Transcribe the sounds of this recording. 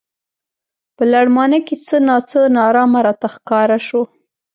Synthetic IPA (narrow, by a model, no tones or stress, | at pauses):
pəlaɽmɑnəket͡sənɑt͡sənɑɾɑmaɾɑt̪axkɑɾaʃo